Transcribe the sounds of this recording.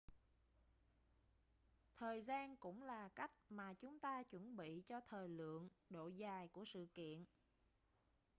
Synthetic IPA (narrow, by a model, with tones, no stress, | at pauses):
t̪ʰəː˨˩jzaː˧nkʊ̰˧˥ŋ͡mlaː˨˩ka˦˥jk̟̚maː˨˩t͡ɕʊ˨˦ŋ͡mt̪aː˧t͡ɕwə˧˩nɓḭ˧˨t͡ɕɔ˧t̪ʰəː˨˩jlɨ̰˧˨əŋɗo̰˧˨zaː˨˩jku˧˩əsɨ̰˧˨kḭ˧˨ən